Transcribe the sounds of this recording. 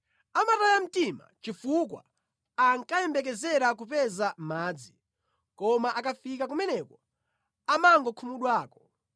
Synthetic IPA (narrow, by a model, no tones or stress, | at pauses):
amatajam̩tima̰t͡ʃifukwa̰ | aŋkajɛmbɛk̬ɛzɛɾak̬upɛzamaːd͡zi | kɔmaʔakafik̬ak̬umɛnɛkɔ | amaŋɡɔkʰumuɗwaːkɔ̥